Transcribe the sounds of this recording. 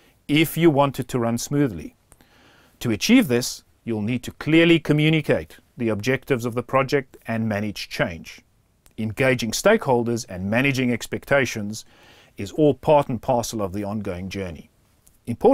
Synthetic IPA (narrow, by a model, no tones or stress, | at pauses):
ɪfjɨwɑ̃ntʰɨd̚tʰɨɹʌ̃nsmʉðlḭ | tʰɨɨt͡ʃʰivðɪs | jul̩ˠnid̚tʰɨkʰl̥ɪɹlˠikʰɨmjʉñɨkʰeɪt̪̚ | ðiɨb̚d͡ʒɛk̚tɨvzʌvðəpʰɹ̥ɑd͡ʒɛk̚tɨ̃nmæɾ̃ɨ̥ʒ̥t͡ʃʰẽɪ̃nd͡ʒ | ɨ̃nɡeɪd͡ʒɪ̃ŋsteɪkhoʊlˠdə˞zɨ̃nmæñɨd͡ʒɪ̃ŋɛkspɛk̚tʰeɪʃɨ̃nz | ɨzɔlˠpʰɑɹɾn̩pʰɑɹsl̩ˠʌvðiɑ̃nɡoʊɪ̃ŋd͡ʒɜ˞nḭ | ɨ̃mpʰɔɹ